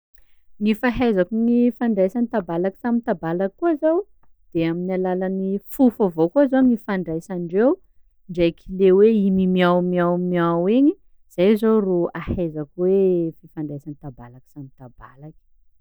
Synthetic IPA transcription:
ŋifaɦajzakuŋifaɳɖ͡ʐajsanit̪abalaki̥samit̪abalakkːuazaw | d̪̥eaminalalanifufovokuazoŋifaɳɖ͡ʐajsaɳɖ͡ʐew | ɳɖ͡ʐajkʰileweimimiawmiawmiaweɲi | z̥ajzowruahajzakwefifaɳɖ͡ʐajsanit̪abalaki̥samit̪aba̰laki̥

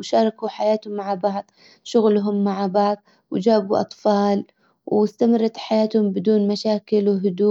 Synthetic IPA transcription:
wʃɑːɾˤɑkuħajaːt̪hʊmːaʕbɑʕðˤ | ʃʊɣlʊɦʊmːaʕbɑʕðˤ | wɪd͡ʒaːbuʔɑ̰t̪ˤfɑːl | wɪst̪amɑrˤːɑt̪ħajaːt̪hʊmbɪd̪uːnmaʃaːkɪlwɪɦʊd̪uː

